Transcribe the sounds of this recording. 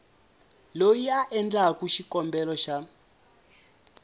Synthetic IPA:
lojiaʔɛnd͡ɮakuʃikɔmbɛlɔʃa

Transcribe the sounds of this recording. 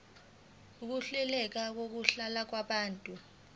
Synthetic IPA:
uk̬uɬɛlɛk̬ak̬ok̬uɬalak̬waɓaːntʼu

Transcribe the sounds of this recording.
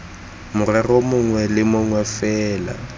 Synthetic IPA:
mʊrɛrɔmʊŋwɛlɪmʊŋwɛfɛːla̰

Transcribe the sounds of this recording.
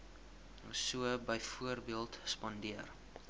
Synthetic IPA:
suəbəjfuərbiəlˠtspɔndiər

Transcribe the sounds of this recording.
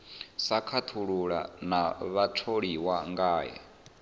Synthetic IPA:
sakʰat̪ʰuɺuɺa̰naβatʰoɺiwaŋɡaːja̰

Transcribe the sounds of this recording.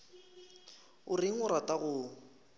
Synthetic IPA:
ʊrɪŋ̩ʊrataɣʊ

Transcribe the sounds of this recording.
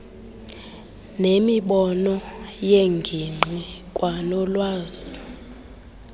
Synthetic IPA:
nemiɓɔnɔjeŋɡʱiŋ͡ǃʱikʼwʔanɔlwaːz̥i

